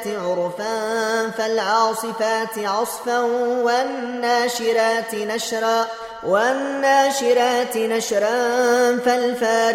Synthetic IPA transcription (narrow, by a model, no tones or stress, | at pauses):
t̪ɪʕʊɾfanfalʕɑːsˤɨfaːt̪ɪʕɑsˤfanwanːaːʃɪɾaːt̪naʃɾaː | wanːaːʃɪɾaːt̪ɪnaʃɾafalfaːɾ